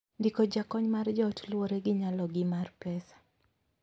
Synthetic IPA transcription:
ndikɔd͡ʒakɔɲmard͡ʒɔtlwoɾeɡɪɲalɔɡɪmarpɛsḁ

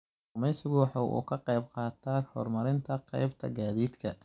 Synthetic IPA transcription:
rʊmɛjsɪɣʊwɑħɑʔṵːkʰɐqɑjbqɑːt̪ʰaːhɔ̰ːrmɐɾɪnt̪ʰɐqɑ̰jbt̪ʰɐ̰ɡaːðiːd̪kʰɐ

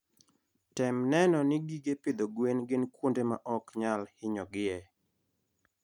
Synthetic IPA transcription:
tɛmnɛnɔnɪɡiɡepɪd̪ɔɡwenɡɪnkwondema̰ʔɔkɲalhɪɲɔɡɪɛ

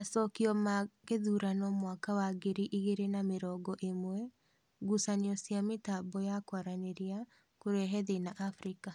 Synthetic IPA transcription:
asɔkiɔmaɣeðuɾanɔmwakawaɡeɾiʔiɣeɾenameɾɔːɡɔʔemwɛ | ɡusaniɔsjametabɔjakwaɾaneɾia | koɾeɦɛðenaʔafɾika

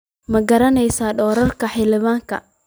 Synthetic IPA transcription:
mɐɡɐɾɐnɛjsaːɖɔːɾɐrkʰɐħɪlɪβaːŋkʰɐ̰

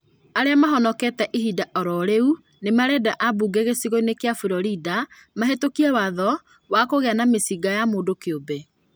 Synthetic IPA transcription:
aɾeamaɦɔnɔkɛtɛʔiɦidaʔɔɾɔɾeu | nemaɾɛdaʔabuɡeɣesiɣoinekeafuɾɔɾidamaɦetokiɛwaðɔ | wakoɣeanamesiɡajamoːndokeobe

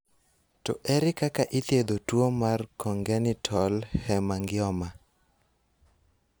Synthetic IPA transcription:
tɔ̰ʔɛɾɪkakaʔit̪jed̪otwomarkɔŋɡɛnɪtʰɔlhɛmaŋɡɪɔma

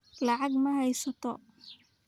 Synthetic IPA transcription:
lɑʕɑɡmɐhɛjsɐt̪ʰɔ̰

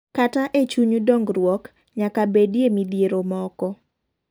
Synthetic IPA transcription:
kataʔet͡ʃuɲudɔŋɡɾwɔk | ɲakabedjemid̪ijeɾomɔkɔ

